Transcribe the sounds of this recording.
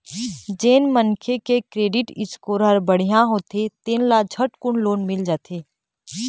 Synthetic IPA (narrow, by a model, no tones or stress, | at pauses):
d͡ʒeːnmənkʰekekɾeːɖɪʈɪskoːɾɦəɾbəɽ̤ijãɦoːt̪et̪eːnlad͡ʒʱəʈkʊɳloːnmɪld͡ʒaːt̪ʰeː